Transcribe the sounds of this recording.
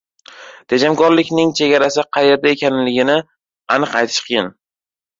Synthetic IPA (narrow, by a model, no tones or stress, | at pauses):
d̪̥ed͡ʒamɡɒɾlɪkʲnɪŋt͡ʃʰe̞ɡʲaɾasɪqʰɑje̞ɾd̪ae̞kʲanlɪɡʲɪnɪ | anɨqajt̪ʰɪ̥ʃqʰɨjɪn